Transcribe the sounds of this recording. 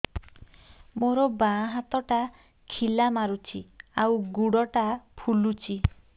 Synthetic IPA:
moɾɔbaɦat̪ɔʈa | kʰilamaɾut͡ʃʰiawɡuɽɔʈapʰulut͡ʃʰi

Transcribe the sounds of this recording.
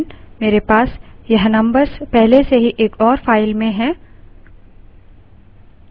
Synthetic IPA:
nmeːɾepaːsjɐɦnɐ̃mbəɾspɛɦleseɦiʔeːkɔːɾfaːɪlmẽɦɛ̃ː

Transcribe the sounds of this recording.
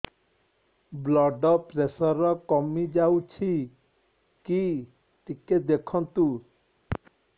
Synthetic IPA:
blɔɖɔpɾesɔɾɔkɔmid͡ʒawt͡ʃʰi | ki | t̪iked̪ekʰɔnt̪u

